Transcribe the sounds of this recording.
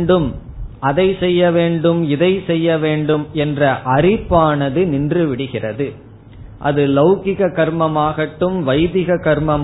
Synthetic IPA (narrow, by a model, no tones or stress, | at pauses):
ɖɯm | ɐðɐɪsɛjːɐʋeːɳɖɯmɪðɐɪsɛjːɐʋeːɳɖɯmɛndrɐʔɐrɪpːaːnɐðɯnɪndrɯʋɪɽɯɣɪrɐðɯ | ʔɐ̰ðɯlɐʊkɪɣɐkɐɾmɐmaːɣɐʈːɯmʋɐɪðɪɣɐkɐɾmɐm